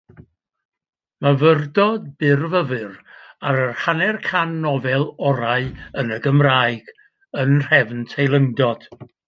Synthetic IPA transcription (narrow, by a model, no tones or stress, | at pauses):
mavərdɔd̚bɪrvəvɨraɾərhanɛrkʰanːɔvɛlˠɔɾaɨənəɡəmraːɨɡ̥ | ənr̥ɛvntʰejlˠəŋdɔd̥